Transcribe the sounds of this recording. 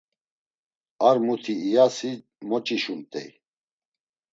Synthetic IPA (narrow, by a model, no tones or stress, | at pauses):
aɾmut̪ʰiːjasi | mɔt͡ʃʼiʃunt̪ʼɛ̰j